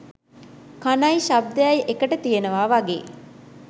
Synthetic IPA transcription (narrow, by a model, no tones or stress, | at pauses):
kanajʃab̚d̪ejajʔekəʈət̪ijenəʋaːʋaɡḛː